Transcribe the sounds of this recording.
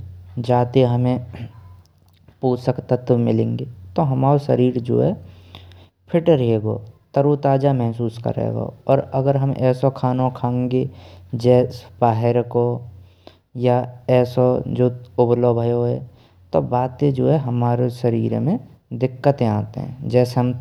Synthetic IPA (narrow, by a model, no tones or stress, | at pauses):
d͡ʒaːt̪eɦɐmẽ | puːsəkt̪ət̪ʋmɪlẽːŋɡet̪oɦɐmaːɾoʃəɾiːɾd͡ʒo̰ːɦɛ | pʰɪʈɾɦeɡo̰ːt̪əɾut̪aːd͡ʒamɛɦsuːskə̰ɾḛːɡo̰ɔːɾɐɡəɾɦəmʔɛ̰ːsokʰaːnõkʰãːŋɡed͡ʒɛːsbaːɦɪɾko | jaɛːsod͡ʒoːʊbloːbʱəjoɦɛ̰ | t̪o̰baːt̪ed͡ʒoːɦɛɦɐmaːɾeʃəɾiːɾmẽ | d̪ɪkːət̪ẽãːt̪ḛɦɛ̰̃d͡ʒɛːseɦəm